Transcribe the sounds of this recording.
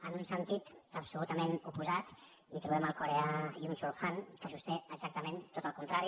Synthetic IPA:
ənunsənt̪it̪əpsulut̪əmenupuzat̪ | it̪ɾuβɛməlˠkuɾeajunt͡ʃuɾxankəʒust̪ɛəɡzak̚t̪əmẽnt̪ot̪əlˠkunt̪ɾaɾi

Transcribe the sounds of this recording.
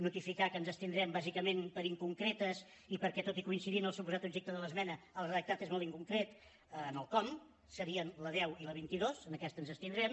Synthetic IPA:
nut̪ifikakənzəst̪ind̪ɾɛmbazikəmenpəɾiŋkuŋkɾɛt̪əs | ipəɾkɛt̪ot̪ikuinsiðinəlˠsupuzat̪ubʒek̚t̪əðələzmɛnəəlˠrəðək̚t̪at̪ezmolˠiŋkuŋkɾet̪ː | nəlˠkɔm | səɾiənləðɛwiləβint̪iðozənəkɛst̪ənzəst̪ind̪ɾɛm

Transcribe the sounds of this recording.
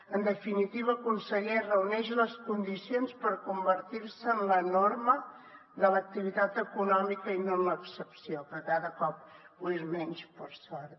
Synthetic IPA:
ənd̪əfinit̪iβəːkunsəɣɛrəunɛʃləskund̪isionspəɾkumbəɾt̪iɾsəːnlənoɾmə | ðələk̚t̪iβ̞it̪at̪əkunɔmikəinonləksəpsiopɾɔkaðəkɔp̚ | uezmɛnʲʃpəɾsɔɾt̪

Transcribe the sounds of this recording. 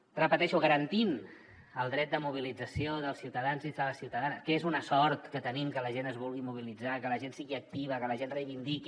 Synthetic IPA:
rəpət̪ɛʃuɣəɾənt̪in | əlˠd̪ɾɛt̪̚d̪əmuβ̞ilid͡zəsioðəlˠsiwt̪əðanzizðələsiwt̪əðanəskəezunəsɔɾt̪kət̪ənimkələʒenəzβulˠɣimuβ̞ilid͡zakələʒensiɣiək̚t̪iβ̞əkələʒenrəjβind̪iki

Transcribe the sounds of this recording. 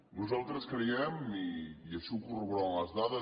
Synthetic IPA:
nuzalˠt̪ɾɐskɾiɛmiiɐsukuruβɾaw̃ɐzðaðɐ

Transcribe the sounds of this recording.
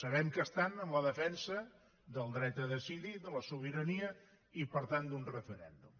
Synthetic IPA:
səβ̞ɛmkəst̪anəmləðəfɛnsə | ðəlˠd̪ɾɛt̪əðəsiðid̪ələsuβ̞iɾəniə | ipəɾt̪and̪unrəfəɾɛ̰nd̪um

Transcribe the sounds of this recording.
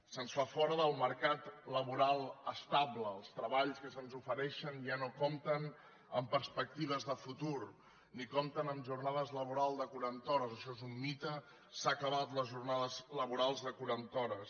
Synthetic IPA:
sənsfafɔɾəðəlˠməɾkat̪ləβuɾalˠəst̪abləːlˠst̪ɾəβaʎskəsənzufəɾɛʃənʒanokomt̪ən | əmpəɾspək̚t̪iβ̞əzðəfut̪uɾ | nikomt̪ənəmʒurnaðəzləβ̞uɾalˠzd̪əkuɾant̪ɔɾəzəʃɔezumːit̪ə | sakəβat̪ləzʒurnaðəzləβ̞uɾalˠzðəkuɾant̪ɔɾəs

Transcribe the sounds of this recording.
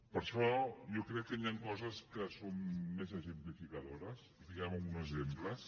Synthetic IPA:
pəɾʃɔjɔkɾɛkːəniaŋkɔzəskəsomːezəʒəmplifikəðoɾəs | ifiɣaməlɣunəzemplə

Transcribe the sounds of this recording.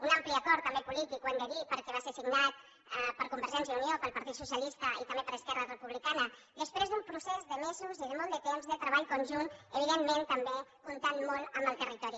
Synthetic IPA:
unampliəkɔɾt̪ːəmbepulit̪ikwɛnd̪əðipəɾkɛβasesiɡnat̪̚ | pəɾkumbəɾʒɛns̬jəuniopəlˠpəɾt̪it̪susjəlist̪əit̪əmbepəɾəskɛrərəpuβlikanə | d̪əspɾezðumpɾusɛzðəmezuziðəmɔlˠd̪ət̪emzðət̪ɾəβ̞aʎkunʲʒunəβ̞iðenment̪əmbekunt̪anmɔlˠəmbəlˠt̪ərit̪ɔɾi

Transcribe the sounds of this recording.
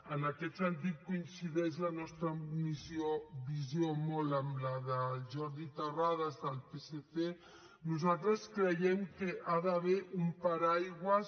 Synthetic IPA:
ənəkɛt̪sənt̪̬ik̪̚kuinsiðɛʒlanɔst̪ɾəmizjoβizjomoləmlaðəʒɔɾðit̪ərað̞azðəlpeseθe | nuzalˠt̪ɾəskɾəjɛmkəʔaðaβ̞ɛɾʔumpaɾajɣwəs

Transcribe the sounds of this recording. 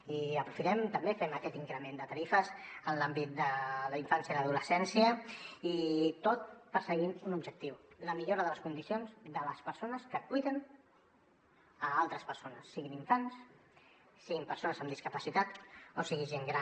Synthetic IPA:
iəpɾufit̪ɛmt̪əmbefɛməkɛt̪iŋkɾəmend̪ət̪əɾifəzənlambit̪̚d̪ələiɱfansjəðəðuləsɛnsiəit̪ot̪̚pəɾsəɣinunubʒək̚t̪iwləmiʎoɾəðələskund̪isionzd̪ələspəɾsonəskəkuijðən | əalˠt̪ɾəspəɾsonəsːiɣiniɱfans | siɣimpəɾsonəzəmd̪iskəpəsit̪at̪osiɣiʒeŋɡɾa

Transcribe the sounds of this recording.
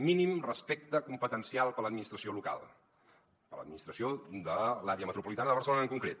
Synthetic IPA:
minimrəspek̚t̪əkumpət̪ənsialˠpələd̪minist̪ɾəsioluka̰lˠ | pələ̰d̪minist̪ɾəsiod̪əlaɾeəmət̪ɾupulit̪anəðəβərsəlonəŋkuŋkɾet̪

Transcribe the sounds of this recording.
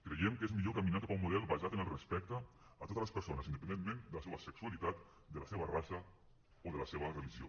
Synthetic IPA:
kɾejɛmkezmiʎokaminakapaumːuðɛlˠβazat̪ənəlˠrəspɛk̚t̪əː | t̪ot̪ələspəɾsonəsind̪əpənenmẽnd̪ələseβəsəksualit̪at̪ | d̪ələseβərasə | oðələseβərəliʒio̰

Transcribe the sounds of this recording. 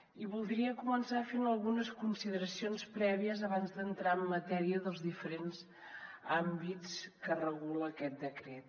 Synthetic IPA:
iβulˠd̪ɾiəkumənsafenəlˠɣunəskunsiðəɾəsionspɾɛβiəzəβanzd̪ənt̪ɾaəmːət̪ɛɾiəðəlˠzðifəɾenz | ambit͡skərəɣuləːkɛt̪̚d̪əkɾet̪̚

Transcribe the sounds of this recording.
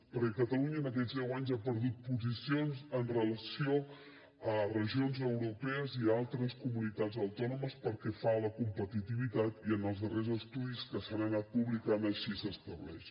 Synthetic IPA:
pəɾkɛkət̪əluɲəːnək̬ɛd͡zzðɛwaɲzapəɾðut̪̚puzisionzənrələsio | ərəʒionzəwɾupɛəzialˠt̪ɾəskumunit̪ad͡zəwt̪ɔnuməspəɾkɛfaləkumpət̪it̪iβit̪at̪iənəlˠzðərezəst̪uðiskəsanənat̪̚puβlikanəʃisəst̪əβlɛ̰ʃ

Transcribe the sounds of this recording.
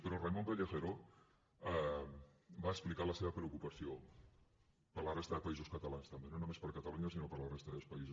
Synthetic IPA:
peɾoremompeʎexeɾo | a | baesplikaɾlaseβapɾeokupasjo | paɾlarest̪aðepaisoskat̪alanst̪ambjenonomespaɾkat̪aluɲasinopaɾlarest̪aðeospaise

